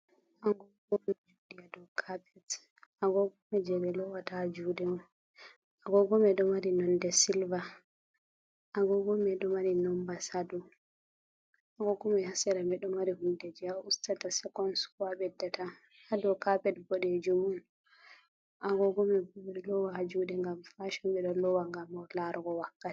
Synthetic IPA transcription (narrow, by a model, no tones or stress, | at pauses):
ʔaɡɔɡɔmɛd͡ʒudijadɔkʰapɛt | aɡɔɡɔmɛd͡ʒɛbɛlɔwatad͡ʒudɛɔ | aɡɔɡɔmɛɗɔmaɾinɔndɛsilva | ʔaɡɔɡɔmɛɗɔmaɾinɔmbasadɔ | ʔaɡɔɡɔmɛhasɛɾamɛɗɔmaɾihundɛd͡ʒɛaustatasɛkɔnswaɓɛdːɛtʰa | hadɔkapɛtbɔɗɛd͡ʒumun | ʔaɡɔɡɔmɛblɔwahad͡ʒudɛŋɡamfaʃɔmɓɛɗɔlɔwaŋɡamɔlaɾɡɔwakːati̥